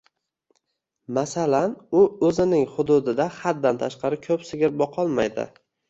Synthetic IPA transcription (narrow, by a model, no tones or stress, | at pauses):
masalanʊɵzɪnɪŋχʊd̪ʊd̪ɪd̪aχad̪̚d̪ant̪ʰaʃqʰɑɾɪkʲʰɵpsɪɡʲɪɾbɒqʰɒlˠmajd̪ɪ̰